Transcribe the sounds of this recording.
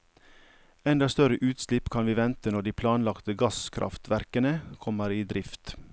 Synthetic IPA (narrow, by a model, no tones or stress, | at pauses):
ɛnd̪ɑst̪œɾəʔʉːt̪slɪpkʰɑnʋiːʋɛnt̪ənɔɖiːpʰlɑːnlɑkt̪əɡɑskʰɾʔɑ̰ft̪ʋæɾkənəkʰɔməɾiːd̪ɾɪft̪